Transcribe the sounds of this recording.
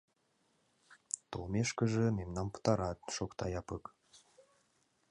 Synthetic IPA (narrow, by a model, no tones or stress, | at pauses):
t̪olˠmeʃkə̆ʒə̆memnɑnpə̥t̪ɑɾɑt̪̚ʃokt̪ɑjɑpək